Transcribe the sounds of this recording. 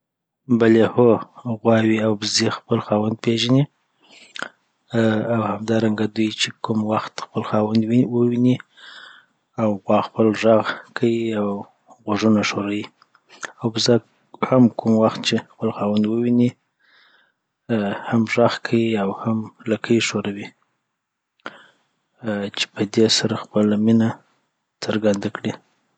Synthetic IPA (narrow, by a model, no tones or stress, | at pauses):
balehoɣwɑwiawbəzexpəlxɑwand̪̚peʒani | awhamd̪ɑɾaŋɡad̪ujt͡ʃekʊmwaxt̪xpəlxɑwand̪wwəwini | awɣwɑxpəlʒaɣkʰawiaw | ɣaʐunaʂoɾawi | awbəzak | hamkʰumwaxt̪̚t͡ʃexpəlxɑwand̪wəwini | hamʒaɣkʰawiawhamlakəjʃoɾawi | t͡ʃe̥pəd̪esaɾaxpəlamina | t͡səɾɡand̪akɽi